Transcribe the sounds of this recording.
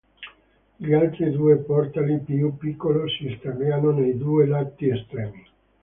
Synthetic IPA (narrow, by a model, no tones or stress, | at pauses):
ʎialt̪ɾid̪uːepɔrt̪alipjupːikːolosist̪aveanonejd̪uːelat̪ːiest̪ɾɛːmi